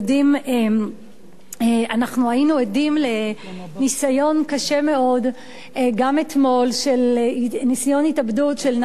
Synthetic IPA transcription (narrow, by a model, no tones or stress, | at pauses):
dimem | eanaχnuainuedimle̞nisajo̞nkaʃe̞me̞o̞d | ɡamet̪mo̞lʃelnisajo̞nitabdutʃeln